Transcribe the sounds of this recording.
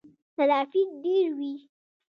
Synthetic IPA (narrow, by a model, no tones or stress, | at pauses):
salaːfik̚ɖeɾwi